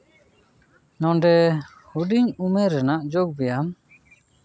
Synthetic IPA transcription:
nɔɳɖɛ | huɖiɲumɛɾɛnaʔd͡ʒoɡ̚bɛjam

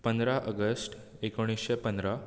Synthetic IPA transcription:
pənd̪ɾaʔəɡəsʈekoɽ̃isɕepənd̪ɾa

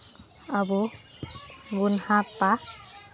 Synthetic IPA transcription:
abu | ɡunhatpa

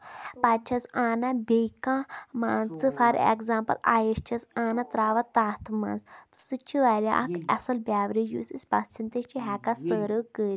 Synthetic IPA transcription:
pat͡ʃʰɐsaːnabʲekãma̰ːnt͡sɨfɐɾḛkzaːmpɐ̰la̰ːjɐʃt͡ʃʰɐsaːnat̪ɾaːʋat̪aːt̪ʰma̰ːnt͡st̪ɨ̥sɨt͡ʃʰiʋaːɾʲa̰ʔkɐ̰sɐlbʲjaːʋɾid͡ʒṵːsisʲpasʰint̪eʃt͡ʃʰiɦɛːkasəːɾəkəːɾʲi

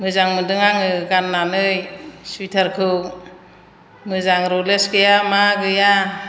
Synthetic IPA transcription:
mɯzaŋmɯdɯŋaŋɯɡanːanɯjsujtʰaɾkʰɯ | mɯzaŋɾɔlesɡɯjamaɡɯja

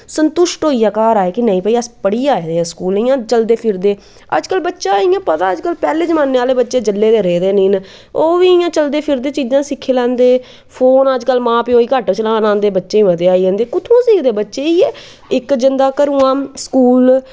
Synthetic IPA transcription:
sənt̪ʊʃʈɦoːiːjaːkaːɾaːeːkɪnəĩːpəiːəspəɽiːaːeːd̪eːãːskuːlĩːãːt͡ʃəld̪eːpʰɪɾd̪eː | ə̰d͡ʒkəlbətːʃãːiːãːpət̪aːəd͡ʒkəlpɛːleːd͡ʒəmaːnːeːaːleːbətːʃeːd͡ʒəlːeːd̪eːɾeːd̪eːniːn | oːʋiːjãːt͡ʃəld̪eːpʰɪɾd̪eːt͡ʃiːd͡ʒãːsɪkʰːeːlɛ̃ːnd̪eː | pʰoːnəd͡ʒkəlmãːpiːoːiːkaʈt͡ʃəlãːnãːnd̪eːbətːʃeːĩːməd̪eːaːiːə̃ːnd̪eːkʊt̪ʰõːsiːɡd̪eːbətːʃeːiːɛː | ɪkd͡ʒɪnd̪aːkəɾũːãːskuːl

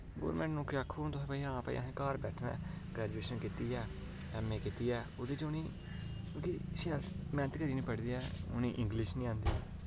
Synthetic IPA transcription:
ɡo̰ːɾmɛ̃ːɳʈnũːkɪaːkʰːuːt̪ʊ̃ːpaːiːãːpa̰ːḭːaɦẽːkaːɾbɛːʈʰʋɛ̰̃ːɡɾɛːd͡ʒueːʃənkiːt̪iːɛː | ɛːmeːkit̪iːɛːʊːd̪eːt͡ʃʊnĩː | ʊkiːʃɛlmɛːnət̪kəɾiːnĩːpəɽd̪iːɛːʊ̰nĩːʔɪ̃ŋɡlɪʃnĩːãːnd̪iː

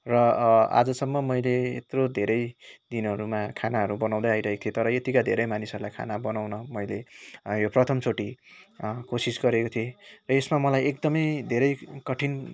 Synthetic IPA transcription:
rʌa̰d͡zʌsʌmːʌmʌjleḛt̪rod̪ʱeɾʌjd̪inʌɾumakʰanaɦʌɾubʌnaw̃d̪ʌjajɾʌɦeko̥t̪ʰiet̪ʌɾʌet̪ikad̪ʱeɾʌjmanisʌɾulajkʰa̰nabʌnawnʌmʌjlejoprʌt̪ʰʌmt͡sʰoʈi | kosisɡʌɾekot̪ʰierʌesmamʌlajek̚d̪ʌmʌjd̪ʱeɾʌjkʌʈʰin

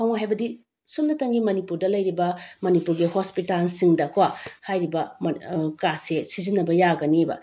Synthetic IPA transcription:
kʰawŋaɦajbɐdi | sunnɐtɐŋɡimɐnipuɾdɐlɐjɾibɐmɐnipuɾɡihospitalsiŋdɐkwahajɾibɐ | kasesizinːɐbɐjaɡɐnibɐ̰

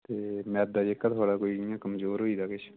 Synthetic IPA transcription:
t̪eːmɛːd̪aːd͡ʒekːət̪ʰoːɽaːkoːiːɪjãːkəmzoːɾɦoːiːd̪aːkɪt͡ʃʰ

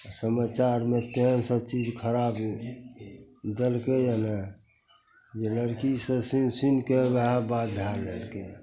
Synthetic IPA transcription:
səmat͡ʃaɾmet̪ensət͡ʃid͡ʒkʰəɾab | d̪elkejəna | jeləɾkisəsinsinkeɡaɦabad̪ʱjaɾlelke

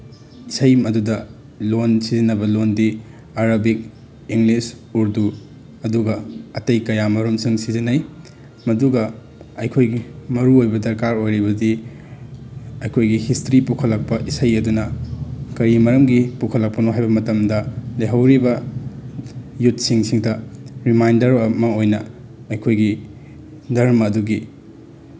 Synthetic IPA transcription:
isɐjmɐdudɐ | lonsizinːɐbɐlondi | aɾɐbik̚ | iŋlis | uɾdu | ɐduɡɐɐtɐjkɐjamɐɾumsiŋsizinɐj | mɐduɡɐ | ɐjkʰojɡimɐɾuojbɐdɐɾkaɾojɾibɐdi | ɐjkʰojɡihistɾipukʰɐlːɐk̚pɐʔisɐjɐdunɐkɐɾimɐɾɐmɡipukʰɐlːɐk̚pɐnoɦajbɐmɐtɐmdɐleɦɐwɾibɐ | jut̚siŋsiŋdɐɾimajndɐɾɐmɐojnɐ | ɐjkʰojɡi | dɐɾmɐːduɡi

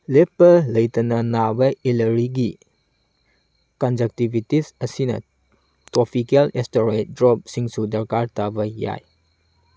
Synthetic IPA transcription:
lepːɐlɐjtɐnɐnabɐelɐɾiɡi | kand͡ʒɐk̚tibitisɐsinɐ̰ | tɾopʰikelestoɾejt̚dɾɔp̚siŋsudɐɾkaɾtabɐja̰j

